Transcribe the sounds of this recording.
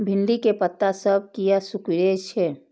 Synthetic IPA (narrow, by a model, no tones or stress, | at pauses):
bʱɪnlikepət̪ːasəb̚kijasʊkiɾet͡ʃʰɛː